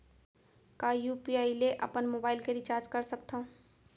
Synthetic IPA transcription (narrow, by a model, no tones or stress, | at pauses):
kajupiaileʔə̰pənmobaːɪlkeɾit͡ʃaːɾd͡ʒkəɾsəkt̪ʰə̃